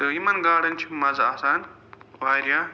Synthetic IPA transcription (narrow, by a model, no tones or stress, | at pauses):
t̪ɐjimɐnɡaːɽɐnt͡ʃʰimɐzaːsaːn | ʋaːɾija